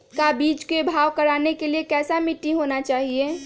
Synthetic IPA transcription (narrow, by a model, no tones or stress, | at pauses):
kabiːt͡ʃkebʱaːʋkəɾaːnekeliekɛːsamiʈːiɦonat͡ʃaːɦie